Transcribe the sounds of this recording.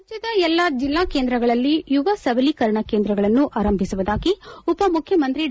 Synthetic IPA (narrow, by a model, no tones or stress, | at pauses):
d͡ʒɐd̪ɐɛlːɐd͡ʒilːaːkeːnd̪ɾɐɡɐɭɐlːijuʋɐsɐʋɐlikɐɾɐɳɐke̞ːnd̪ɾɐɡɐɭɐnːuʔaːɾɐmbʱisuʋud̪aːɡiupɐmukʰjɐmɐnt̪ɾi